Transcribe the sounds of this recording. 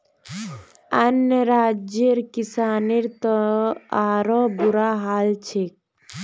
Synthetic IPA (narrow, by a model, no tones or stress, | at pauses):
ənjəɾaːd͡ʒeɾkisaːneɾt̪ɔaːɾɔbuɾaɦaːlt͡ʃʰek